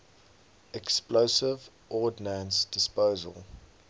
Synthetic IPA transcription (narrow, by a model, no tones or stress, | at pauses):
ɛksploʊsɪv | ʔɔːdnãnsd̥ɪspoːzə̰lˠ